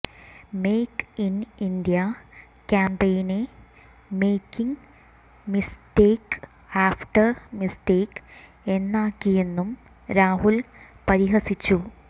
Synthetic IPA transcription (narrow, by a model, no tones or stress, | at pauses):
me̞ːkinind̪ijɐ | kʲaːmpejne | me̞ːkːiŋ | misteːk | aːfʈɐrmisteːk | e̞nːaːkːije̞nːum | ɾaːhulpɐɾiɦɐsit͡ɕːu